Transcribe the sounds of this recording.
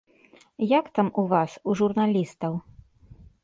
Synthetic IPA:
jakt̪amuvasuʐurnalʲist̪ɐw

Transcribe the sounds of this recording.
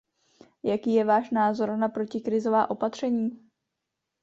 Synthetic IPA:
jakiːjɛvaːʃnaːzo̞ɾnapɾo̞cɪkɾɪzo̞vaːʔo̞pat̪r̝̥ɛɲiː

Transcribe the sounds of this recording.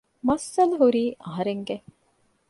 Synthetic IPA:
mɐsːɐluɦuɾiːʔɐɦɐɾeŋɡe

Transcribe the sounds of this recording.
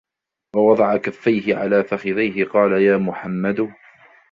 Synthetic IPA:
wɑwɑd̪ˤɑʕakafːajɦɪʕa̰laːfaxɪðajɦɪqɑːlajaːmʊħamːad̪ʊ

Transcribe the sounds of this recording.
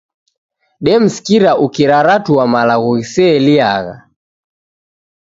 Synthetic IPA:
ɗɛm̩si̥kiɾaʔukiɾaɾatuwamalaɣuɣisɛlia̰ɣa̰

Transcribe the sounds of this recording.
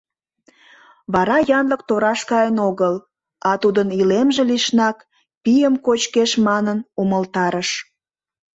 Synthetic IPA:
βɑɾɑjɑnlək̚t̪oɾɑʃkɑjənoɣəl | ɑt̪ud̪ənilemʒĕliʃnɑk | pijəmkot͡ɕkeʃmɑnənuməlt̪ɑɾəʃ

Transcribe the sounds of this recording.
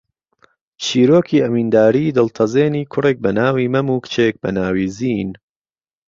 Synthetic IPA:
t͡ʃʰiːɾoːkʰiːɐmiːnd̪aːɾiːd̪ɨlt̪ʰɐzeːniːkʰʊreːk̚bɐnaːwiːmɐmuːkt͡ʃʰek̚bɐnaːwiːziːn

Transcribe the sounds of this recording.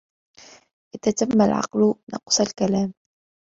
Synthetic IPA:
ʔɪðaːt̪amːalʕɑ̰qlʊnʔɑ̰qsˤalkalaːm

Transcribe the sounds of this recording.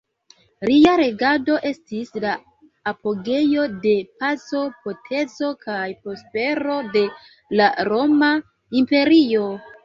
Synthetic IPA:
liaɾe̞ɡado̞ʔe̞stislaː | po̞ɡe̞jo̞de̞pazo̞po̞tʰe̞zo̞kʰajpo̞spe̞ɾo̞de̞ | laɾo̞ma | impe̞ɾio̞

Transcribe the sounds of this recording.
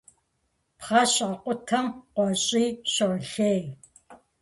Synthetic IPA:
pχɑɕʼɐqʷʼʊtʰɐmqʷɔɕʼiːɕɐʁɬej

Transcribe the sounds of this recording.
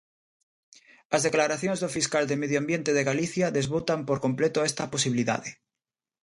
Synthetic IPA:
azðeklaɾaθjoŋzðofiskald̪emeð̞joambjent̪eðeɣaliθjaðezβut̪ampoɾkõmplet̪oest̪aposiβiliða̰ðe

